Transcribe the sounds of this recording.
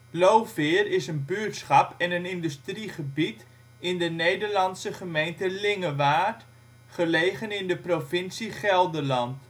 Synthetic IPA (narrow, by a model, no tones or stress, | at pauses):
lowfɪːrɪsənbyːtsχɑpɛnənɪndystriχəbit | ɪndənejdərlɑnsəχəmejntəlɪŋəʋaːt | χəlejχənɪndəprofɪnsiχɛlˠdəlɑnt